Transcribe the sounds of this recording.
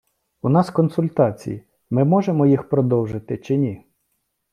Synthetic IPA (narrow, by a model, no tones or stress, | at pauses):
unɑskɔnsʊlʲt̪ɑt͡sʲḭji | mɪmɔʒemɔjixpɾɔd̪ɔwʒɪt̪ɪt͡ʃɪnʲi